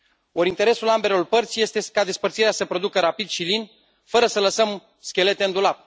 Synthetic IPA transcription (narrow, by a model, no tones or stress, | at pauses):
o̞ɾint̪eɾe̞sulambe̞lo̞rpərt̪sʲje̞st̪e̞kad̪e̞spəɾrt̪siɾeasəpɾo̞d̪ukəɾapid̪ʃilin | fəɾəsələsəm | skʲe̞le̞t̪eɨnd̪ulap̚